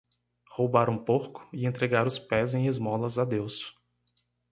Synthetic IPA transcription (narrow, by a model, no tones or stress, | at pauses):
howbaɾũpokʊ̥ɪẽnt̪ɾeɡaɾʊspɛzẽj̃ezmɔlɐzad̪ews